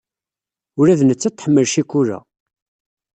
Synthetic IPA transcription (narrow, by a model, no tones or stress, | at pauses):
ʊɾæðnət͡sːæt̪ːħəmːəlʃikːuɾæ̰